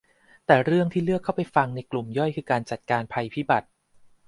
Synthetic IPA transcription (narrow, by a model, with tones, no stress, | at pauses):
t̪ɛː˨˩ɾɯ˥˩əŋt̪ʰiː˥˩lɯ˥˩əkʰːa˥˩wpa˧jfa˧ŋna˧jklu˨˩mjɔ˥˩jkʰɯː˧kaː˧nt͡ɕa˨˩t̪̚kaː˧npʰa˧jpʰiː˥˩ba˨˩t̪̚